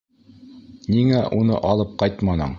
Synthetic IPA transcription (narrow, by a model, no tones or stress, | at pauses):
niŋæʔunɤ̰ʔɑlˠɤp̚qɑjt̪mɑnɤ̰ɴ